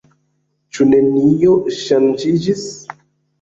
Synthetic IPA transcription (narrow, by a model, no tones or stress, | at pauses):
t͡ʃune̞nioʃand͡ʒid͡ʒis